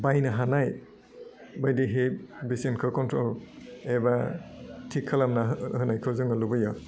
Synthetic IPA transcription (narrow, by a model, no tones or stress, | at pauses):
bajnaɦanaj | bajdiɦebisinkʰɯkɔntʰɾɔlɛbatʰikʰːalamnahɯnajkʰɯzɯŋɯlubɯja